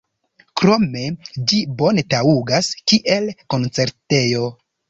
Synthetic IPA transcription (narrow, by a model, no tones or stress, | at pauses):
kɾo̞me̞d͡ʒibo̞ne̞tauɡaskiʔe̞lko̞nt͡se̞ɾte̞jo̞